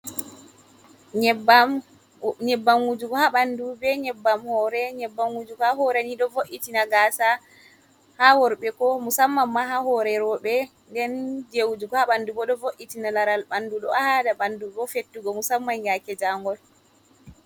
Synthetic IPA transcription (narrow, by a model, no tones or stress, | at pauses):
ɲɛbam | ɲɛbːaŋɡud͡ʒuɡɔhaɓandubɛɲɛbːamhɔɾɛɲɛbːaŋɡud͡ʒuɡɔhaɦɔɾaniɗɔvoʔitinaɡaːsa | hawɔɾɓɛkɔmusamːamːaɦahɔɾɛɾɔɓɛ | ndɛnd͡ʒewud͡ʒuɡɔhaɓandubɔɗɔvoʔitinalaɾalɓanduɗɔahadaɓanduɡɔfetːuɡɔmusamːanjakɛd͡ʒaŋɡɔl